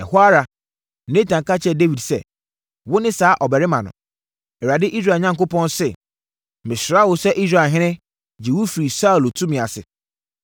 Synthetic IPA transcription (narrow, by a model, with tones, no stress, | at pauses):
ɛ˨hʊ˦a˦ɾa˨ | nẽ˦tʰã˨ŋka˦t͡ɕʰɛ˦˨de˦wi˨dsɛ̰˨ | wʊ˦nɪ̃˦saː˨˦ʔɔ˨bɛ˨ɾɪ˦mã̰˨nʊ̰̃˨ | ɛ˨wa˨dɪ˦ʔi˦s̬ɾa˨ɲã˦ŋko˦pʰɔ̃˦nsɛ˨ | mɪ̃˨sɾa˦wʊ˨sɛ˦ʔi˦s̬ɾa˨ɦɪ̃˦nɪ̃˦ | d͡ʑi˨wʊ˦fi˨ɾi˨sa˦u˨lo˨tʰũ˦mĩ˨a˨sɪ̰˨